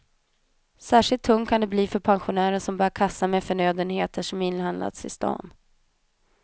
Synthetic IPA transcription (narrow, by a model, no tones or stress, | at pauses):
sæːʂɪlt̪ʰːɵŋt̪̚kʰand̪ɛbliːfœɾpʰanɧʊnæːɾənʂɔmbœːɾkʰasamɛfœɳøːd̪ənheːt̪əʂɔmɪnːɦand̪la̰t̪sɪst̪ɑ̰ːn